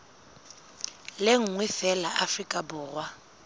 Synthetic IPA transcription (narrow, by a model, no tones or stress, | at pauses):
leŋ̩ŋwɪfɛlaʔafrikʼabʊːrwa